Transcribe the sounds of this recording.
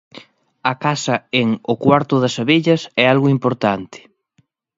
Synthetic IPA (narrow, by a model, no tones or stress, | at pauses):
ɐkasɐeŋʊkwaɾt̪ʊðɐsaβeʎɐsɛalɣʊimpoɾt̪ant̪ɪ̥